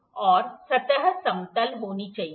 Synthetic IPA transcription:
ɔːɾsɐt̪əɦsɐ̃mt̪əlɦoːnit͡ʃai

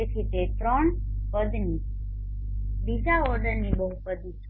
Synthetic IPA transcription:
ekʰit̪et̪ɾəɳpəd̪ni | b̪isaɔɾɖəɾnibəɦupəd̪ʱit͡ʃʰ

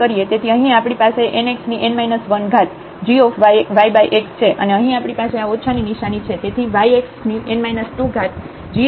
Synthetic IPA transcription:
əɾiet̪et̪ʰiəɦĩapɽ̃ipaseʔeneksniʔenmajnəsʋənɡʱat̪ | d͡ʒiofʋʋajbajʔekst͡ʃʰeʔə̰neəɦĩapɽipaseaotːt͡ʃʰaniniʃanit͡ʃʰet̪et̪ʰiʋajeksniʔenmajnəsʈuɡʱat̪ | d͡ʒi

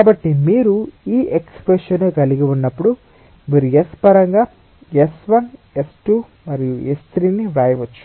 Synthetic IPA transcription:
kaːbɐʈːimiːɾuiːʔekspɾeʂɐnoːkɐliɡiunːɐpːuɽu | miːɾuespɐɾɐŋɡaː | esʋɐnesʈuː | mɐɾijuest̪ɾiːniɾaːjʋɐt͡ʃːu̥

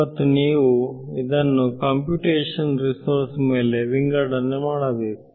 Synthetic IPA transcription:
ɐt̪ːuniːʋuid̪ɐnːukɐːmpjuːʈeːʂɐnɾisoɾsmeːle̞ʋiŋɡɐɽɐnːemaːɽɐbeːku̥

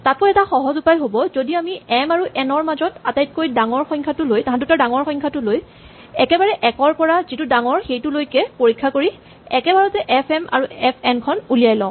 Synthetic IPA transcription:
tat̚kɔjɛtaxɔɦɔzupajɦobɔzodiamiɛmaɹuʔɛnɔɹmazɔtatajt̚kojdaŋɔɹxɔjŋkʰatʊlojtãɦãdʊtaɹdaŋɔɹxɔ̃jŋkʰatʊloj | ɛkɛbaɹɛʔɛkɔɹpɔɹazitʊdaŋɔɹxejtʊlojkɛpoɹikʰːakoɹi | ɛkɛbaɹɔtɛʔɛpʰɛma̰ɹuɛpʰɛmkʰɔnulijajlɔ̃ʊ̃

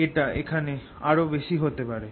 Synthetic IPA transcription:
eʈaḛkʰane | aɾobeʃiɦot̪epaɾe

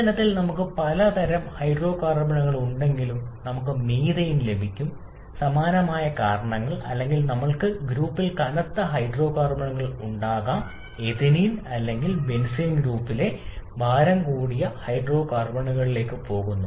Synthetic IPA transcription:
ɐnɐt̪ːilnɐmukːɨpɐlɐt̪ʰɐɾɐmhɐjɖro̞ːkaːrbɐɳuɣɐɭuɳɖe̞ŋɡilumnɐmukːɨmiːðɐjumle̞bʱikʲːum | sɐmaːnɐmaːjɐkaːɾɐɳɐŋːɐɭɐ̰lːe̞ŋɡilnɐmːɐɭkɨɡɾuːpːilkɐnɐt̪ːɐɦɐjɖro̞ːkaːrbɐɳuɣɐɭuɳɖaːɣaːm | e̞ðinijnɐlːe̞ŋɡilʋe̞nsinɡɾuːpːile̞ʋʱaːɾɐmkuːɽijɐhɐjɖro̞ːkaːrbɐɳuɣɐɭile̞ːkːɨpo̞ːɣunːu

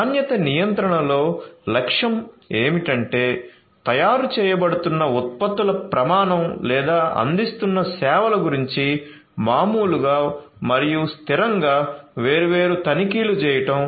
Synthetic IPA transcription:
aːnjɐt̪ɐnijɐnt̪ɾɐɳɐlo̞ːlɐkʂɐm | eːmiʈɐɳʈe̞ː | t̪ɐjaːɾut͡ʃɛːjɐbɐɽut̪unːɐut̪̚pɐt̪ːulɐpɾɐmaːɳɐmlɛːd̪aːʔɐ̰nd̪ist̪unːɐsɛːʋɐlɐɡuɾiɲt͡ʃi | maːmuːluɡaː | mɐɾijust̪iɾɐŋɡaːʋeːɾuʋeːɾut̪ɐnikiːlut͡ʃɛːjɐʈɐm

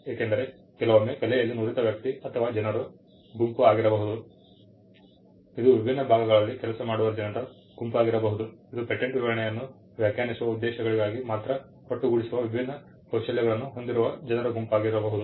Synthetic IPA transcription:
eːkend̪ɐɾe̞ | kɛlɐʋɐmːeːkɐlɛjɐlːinuːɾit̪ɐʋjɐk̚t̪iɐt̪ʰɐʋaːd͡ʒɐnɐɾu | ɡumpuaːɡiɾɐbɐɦud̪u | id̪uʋibʱinːɐbʱaːɡɐɡɐɭɐlːikɛlɐsɐmaːɽuʋɐd͡ʒɐnɐɾɐ | ɡ̥umpaːɡiɾɐbɐɦud̪uid̪upeʈːeɳʈʋiʋɐɾɐɳɛjɐnːu | ʋjaːkjaːnisuʋɐud̪ːɛːʃɐɡɐɭiɡaːɡimaːt̪ɾɐ | koʈːuɡuɽisuʋɐʋibʱinːɐ | ɐwʃɐljɐɡɐɭɐnːuɦo̞nd̪iɾuʋɐd͡ʒɐnɐɾuɡumpaːɡiɾɐbɐɦud̪u

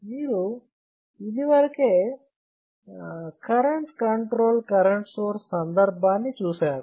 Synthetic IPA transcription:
miːɾu | id̪iʋɐɾɐkeː | kɐɾɐɳʈkɐɳʈɾoːlkɐɾɐɳʈsoːɾssɐnd̪ɐɾbʱaːnːit͡ʃuːsaːɾu

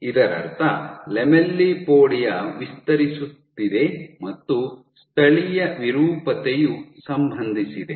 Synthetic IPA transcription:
id̪ɐɾɐ̰ɾt̪ʰɐlɛmelːipoːɽijɐʋist̪ɐɾisut̪ːid̪e̞mɐt̪ːu | st̪ʰɐɭijɐʋiɾuːpɐt̪ejusɐmbʱɐnd̪ʱisid̪e̞

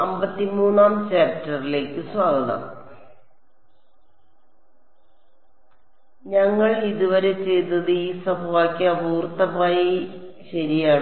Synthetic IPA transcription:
ɐmbɐt̪ːimuːnːaːmt͡ɕaːptːɐrile̞ːkːɨswaːɡɐðɐ̰m | ɲɐŋːɐɭiðuʋɐɾe̞t͡ɕe̞jt̪ːɐðɨiːsɐbʱɐʋaːkʲːɨɐbuːrt̪ːɐbaːjiɕɐɾijaː

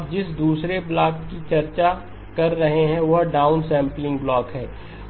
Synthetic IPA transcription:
d͡ʒɪsd̪uːsɾeplaːkkit͡ʃɐɾt͡ʃa | kɐɾːɐɦeɦɛ̃ʋɐɦɖaːʊnsɛ̃ːmplɪ̃ŋɡblɔːkɦɛː

